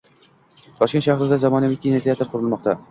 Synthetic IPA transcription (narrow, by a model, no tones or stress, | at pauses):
t̪ʰɒʃkʲenʃaχɾɨd̪azamɒnavɪkʲːinet̪ʰiat̪ʰːeɾqʰʊɾɪlˠmɒq̚t̪a